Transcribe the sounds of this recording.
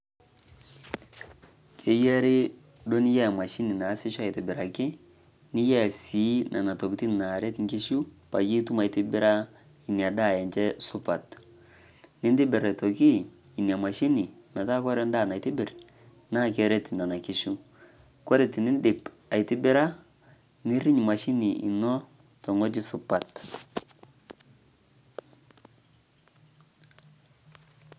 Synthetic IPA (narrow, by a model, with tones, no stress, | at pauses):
t͡ʃe˨je˦ɾi˦ | do˦ni˦ja˦˨ma˨ʃi˦ni˨na˨˦si˦ʃa˨i˨ti˨bi˨ɾa˨ki˦ | ni˦ja˦˨si˨˦nʔa̰˨na˨to˨kti˦˨a˨ɾe˦ti˨ŋki˦ʃu˦pa̰˨ji˦tu˦ma˨i˨ti˦bi˦ɾa˦ | i˨n˨a˨da˦˨jɛ˨nt͡ʃɛ˦su˦pa˨t | ni˦ndi˦bi˨ɾa˨to˨ki˦˨i˨ni˨a˨ma˨ʃi˦ni˨mɛ˨ta˦kɔ˦ɾɛ˦nda˦˨na˨ti˦bɪ˨ɾ | na˦˨kɛ˦ɾɛ˦ti˨na˨na˨ki˦ʃu˦ | kɔ˦ɾɛ˨ti˨ni˦ndɪ˨p | a˨i˨ti˦bɪ˦ɾa˦ | ni˦ɾi˦ɲ˨ma˨ʃi˦ni˨ḭ˨nɔ˦ | tɔ˨ŋɔ˦d͡ʒi˦su˨pa˨t